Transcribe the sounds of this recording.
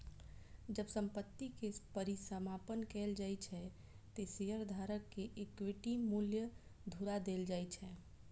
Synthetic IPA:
d͡ʒəbsə̃mpət̪ːikepəɾisəmapənkɛld͡ʒajt͡ʃʰɛ | t̪eseɦəɾd̪ʱaɾəkːeʔekʋiʈimuljəd̪ʱuɾad̪eld͡ʒajt͡ʃʰɛ

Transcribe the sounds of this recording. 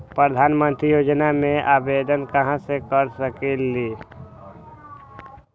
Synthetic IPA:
pɾəd̪ʱaːnmə̃nt̪ɾijoːd͡ʒnamẽʔaːbed̪ənkəɦãsekəɾsəkeli

